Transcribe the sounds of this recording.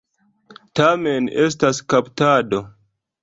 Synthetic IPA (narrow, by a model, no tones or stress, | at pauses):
tamenes̬taskaptado̞